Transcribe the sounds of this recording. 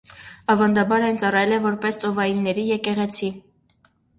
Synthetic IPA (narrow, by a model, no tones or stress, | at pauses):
ɑvɑnd̪ɑbɑɾɛjnt͡sɑrɑjɛlɛvɔɾpɛst͡sɔvɑjinːɛɾijɛkɛʁɛt͡sʰi